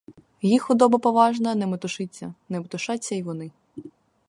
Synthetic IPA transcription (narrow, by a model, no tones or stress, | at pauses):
jixʊd̪ɔbɐpɔʋɑʒnɐnɛmɔt̪ʊʃɪt͡sʲːɐ̰nemɔt̪ʊʃɑt͡sʲːɐiʋɔnɪ